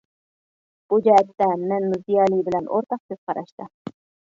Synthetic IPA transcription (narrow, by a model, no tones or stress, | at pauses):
b̥ud͡ʒɛɛt̪ːɛmɛnːuzijɑlˠijbɪlɛnʔo̰ɾt̪ʰɑq̚kʰøz̥qʰɑɾɑʃt̪ɪ